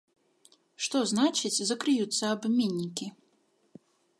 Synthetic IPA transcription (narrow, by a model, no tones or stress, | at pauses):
ʂt̪ɔznat͡ʂɨt͡sʲzɐkɾɨjut̪sːɐːbmʲenʲːikʲi